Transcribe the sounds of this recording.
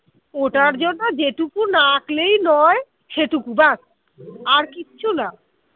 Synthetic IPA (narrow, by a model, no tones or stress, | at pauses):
oʈaɾd͡ʑonːod͡ʑeʈukunaklejnɔe | ʃeʈukubas | aɾkitːɕʰuna